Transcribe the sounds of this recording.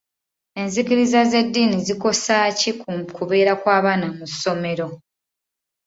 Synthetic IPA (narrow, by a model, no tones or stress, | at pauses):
e̞nzikiɾizaze̞dːiːniziko̞sacikkuβe̞ːɾakwaːβaːnamusːo̞me̞ɾo̞